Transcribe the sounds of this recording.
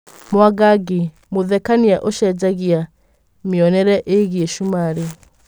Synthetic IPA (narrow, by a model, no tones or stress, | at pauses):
mwaɡaɡe | moðɛkaniaʔoʃɛd͡ʑaɣia | meɔnɛɾɛʔeɣieʃumaɾe